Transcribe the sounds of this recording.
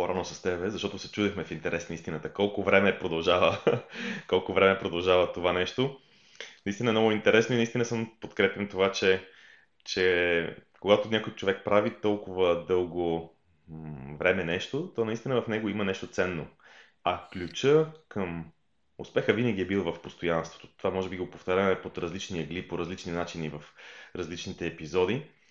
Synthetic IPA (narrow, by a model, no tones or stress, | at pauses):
poɾanosɐst̪ɛbɛzɐʃt̪ɔt̪osɛt͡ʃud̪ɛxmɛfint̪ɛɾʔɛsnəist̪inət̪əkɔlˠkʊvɾɛmɛpɾod̪ɐlˠʒavə | kɔlˠkʊvɾɛmɛpɾod̪ɐlˠʒavət̪ovanɛʃt̪o | nɐist̪inəɛmnɡʊint̪ɛɾɛsnoinɐist̪inəsəmpot̪kɾɛpʲjɐmt̪ovat͡ʃɛ | t͡ʃɛ | koɡat̪onʲakojt͡ʃovɛk̚pɾavit̪ɔlˠkʊvəd̪ɤlˠɡo | vɾɛmɛnɛʃt̪ot̪ɔnɐist̪ʲinəvɐfnɛɡoimənɛʃt̪ot̪sɛnːo | ɐklʲut͡ʃəkəm | ʊ̰spɛxəvinəɡ̟ʲiɛbilˠvɐfpost̪ojanst̪vo̥t̪o̥t̪ovamɔʒɛbiɡopoft̪aɾʲamɛpot̪ɾɐzlit͡ʃniəɡlipoɾɐzlit͡ʃninat͡ʃinivəfɾɐzlit͡ʃnit̪ɛːpizɔd̪i